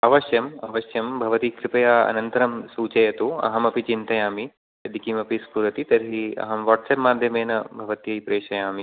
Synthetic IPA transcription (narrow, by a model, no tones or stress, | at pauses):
ɐʋɐʃjɐmɐʋɐʃjɐmbʱɐʋɐt̪ikɾɪpɐjaːɐ̰nɐnt̪ɐɾɐmsuːt͡ʃɐjɐt̪uɐ̰ɦɐmɐpit͡ʃint̪ɐjaːmi | jɐd̪ikiːmɐpispuɾɐt̪it̪ɐɾɦiɐ̰ɦɐmʋaːʈseːpmaːd̪ʱjɐmeːnɐbʱɐʋɐt̪jɐjpɾeːʃɐjaːmi